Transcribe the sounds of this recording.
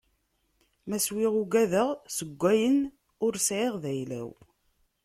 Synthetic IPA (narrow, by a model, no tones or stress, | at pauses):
mæswiʁuɡæðəʁsəɡʷːæjən | ʊɾsʕeʁðæjlæ̰w